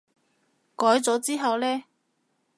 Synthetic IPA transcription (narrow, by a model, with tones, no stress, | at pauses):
kɔː˨˥jt͡sɔː˨˥t͡siː˥ɦɐ˨wlɛː˥